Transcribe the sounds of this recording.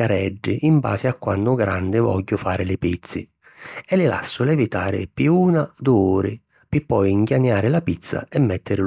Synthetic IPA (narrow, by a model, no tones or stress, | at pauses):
aɾɛɖːɪʔimba̰ːzɪakːwanːʊɡɾand̪ɪvɔ̰ʎːʊfaːɾɪlɪpit̪sːɪ̰ | ɛlɪla̰sːʊlɛvit̪aːɾɪ̰piuːnad̪ʊuːɾɪ | pɪpːɔjiŋɡjaɲːaːɾɪlapit̪sːa̰ɛmːɛt̪ːɪɾɪ